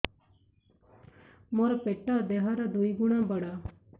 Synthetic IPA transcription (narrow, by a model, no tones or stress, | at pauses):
moɾapeʈːaːd̪eɦaːɾad̪uiɡuɳãːbəɽaː